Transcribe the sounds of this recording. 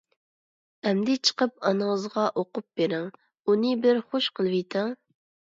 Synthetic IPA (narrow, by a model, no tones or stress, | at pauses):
ɛmd̪ɪt͡ʃʰə̥qəp̚ɑnɨŋəzʁɑʔoqʊp̚beɾɪŋ | unɨbɪɾχoʃqəlˠvijt̪ʰɪŋ